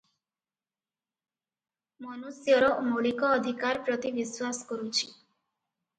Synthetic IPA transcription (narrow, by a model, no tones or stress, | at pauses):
mɔnusjɔɾɔmoɭikɔːd̪ʱikaɾpɾɔt̪iʋiswasɔ̥kɔɾut͡ʃʰi̥